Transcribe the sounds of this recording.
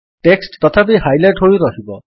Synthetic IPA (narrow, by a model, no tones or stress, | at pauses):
ʈeksʈt̪ɔt̪ʰapiɦajleʈɦojɾɔɦibɔ